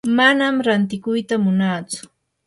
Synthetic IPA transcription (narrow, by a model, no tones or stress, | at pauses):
manamɾant̪ɪkʊjt̪amʊnaːt͡sʊ̥